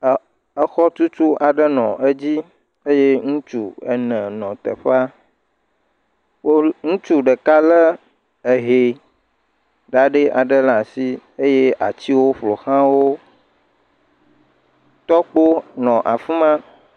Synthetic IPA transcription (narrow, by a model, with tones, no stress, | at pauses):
ə˦xɔ˦t͡ʃu˦t͡ʃu˦ʔa˨ɖə˦nɔ̰̃˨ʔe˦d͡ʑi˦ | e˦je˦ŋũ˦t͡ʃu˦ḛ˨nɛ̃˨nɔ̃˨t̪ə̰˨ɸa˦ | wo˦ŋũ˦t͡ʃu˦ɖə˨ka˦lə˦ | e˨ɦe˨ | ɖa˨ɖe˦ʔa˨ɖə˦la˨si˦e˦je˦a̰˨t͡ɕi˦wo˦ɸlo˨xã˦wo˦ | t̪ɔ˦k͡po˦nɔ̃˨ʔa˨fi˦mã˦